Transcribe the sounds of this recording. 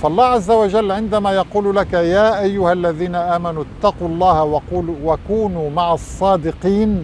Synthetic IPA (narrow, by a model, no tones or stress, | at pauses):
faʔɑlˤːɑːhʕazːawad͡ʒalːʕɪnd̪amaːjɑquːllakajaːʔajːʊhalːaðiːnaʔaːmanut̪ːɑquːɑlˤːɑːhwakuːnuːmaʕɑsˤːɑːd̪ɪqiːn